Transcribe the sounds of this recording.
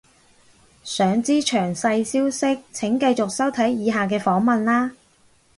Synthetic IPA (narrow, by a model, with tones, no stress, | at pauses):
sœː˨˧ŋt͡siː˥t͡ʃʰœː˨˩ŋsɐ˧jsiː˥wsɪ˥k̚t͡sʰɪ˨˥ŋkɐ˧jt͡sʊ˨k̚sɐ˥wt̪ʰɐ˨˥jːiː˨˧ɦaː˨˩k̬ɛː˧fɔː˨˥ŋmɐ˨nlaː˥